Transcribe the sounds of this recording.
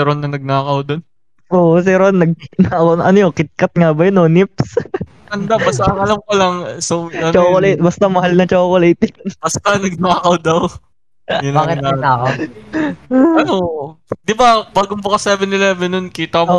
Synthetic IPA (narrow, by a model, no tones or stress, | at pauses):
ɛɾonːɐnɐɡ̚naːkɐwd̪on | ʔoːʔs̬ɛɾonːɐɡ̚nakɐwnʔɐnojokɪt̪̚kɐt̪̚ŋabɐjononip̚s | ɐnd̪abɐst̪ɐɐlɐmkolɐŋsowɐt͡ʃoːkolejt̪̚bɐst̪ɐmɐhɦalnɐt͡ʃoːkolejt̪onb̥ɐst̪ɐnɐɡ̚naːkɐwd̪ɐw | jʊnbakɪt̪anaːkɐw | ɐnod̪ɪbabaːɡʊmbɐkɐsɛvɛnɪlɛːvɛnːonkiːt̪ɐ